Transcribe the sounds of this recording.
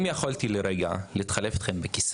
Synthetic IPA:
mjaχolt̪ileɾeɡaliːt̪χaleftχembekis

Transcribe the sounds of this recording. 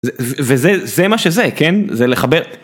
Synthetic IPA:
zevvezezemaʃezekenzeleχabeʁ

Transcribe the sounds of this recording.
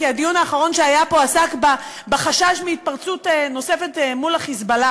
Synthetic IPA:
iadijunaːχaʁo̞nʃeajapo̞asakba | beχaʃaʃmeit̚paʁt͡suteno̞se̞fe̞tmulaχisbala

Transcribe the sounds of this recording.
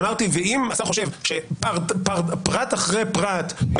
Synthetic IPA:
maʁt̪iveimat̪aχo̞ʃe̞vʃepaʁtpaʁpʁat̪aχʁejpʁat̪

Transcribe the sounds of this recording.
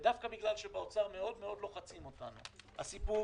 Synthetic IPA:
dafkabiɡlalʃebeot͡saʁme̞o̞d̪me̞o̞dlo̞χat͡simo̞tanṵha̰sipu

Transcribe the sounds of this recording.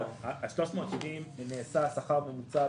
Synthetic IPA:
aaʃlo̞ʃmo̞ːt̪ʃivimneːsasaχaʁbemut͡sa

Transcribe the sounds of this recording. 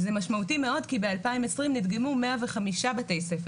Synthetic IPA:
zemaʃmautime̞o̞d̪kibe̞alpaimesʁimnid̪ɡemume̞aveχamiʃabetejsefe

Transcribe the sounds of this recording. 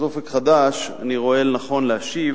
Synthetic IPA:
zofekχad̪aʃa̰niʁo̞e̞lnaχo̞nlehaʃiv

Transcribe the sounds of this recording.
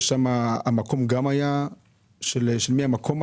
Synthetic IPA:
ʃamaamako̞mɡamaja | ʃelʃelmiamakʰo̞ma

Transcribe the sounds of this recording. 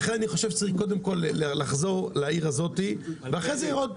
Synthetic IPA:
χenaniχoʃevʃe̥t͡saʁiχko̞d̪emko̞lːlaχzo̞ʁlaiʁazo̞t̪iveaχʁezejaʁod̪

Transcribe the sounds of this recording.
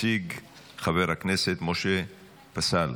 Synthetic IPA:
iɡ | χave̞ʁhakne̞se̞t̪moʃe | pasal

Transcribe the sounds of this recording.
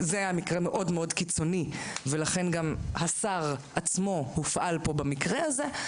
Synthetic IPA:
zeajamikʁeme̞ʔo̞dmeo̞dkit͡so̞nivelaχe̞nɡamhasaʁ | at͡smo̞hufʔalpo̞bamikʁeaze

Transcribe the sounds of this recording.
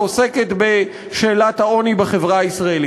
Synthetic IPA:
ose̞ke̞t̪be̞ | ʃe̞ːlathao̞nibaχe̞vʁaaisʁaeli

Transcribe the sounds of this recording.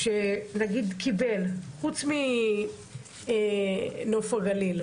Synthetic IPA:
ʃenaɡid̪kʰibe̞lχut͡smi | nofaɡalil

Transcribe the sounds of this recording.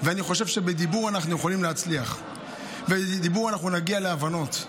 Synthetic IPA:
veaniχo̞ʃe̞vʃe̞bed̪ibuʁanaχnujeχolimleat͡sliaχ | ved̪ibuʁanaχnunaɡialeavano̞t

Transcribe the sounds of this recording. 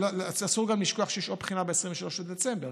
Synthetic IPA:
lolaasuʁɡamliʃkoaχʃejɛʃopχinabeesʁiɱveʃalo̞ʃled̪et͡sembeʁ

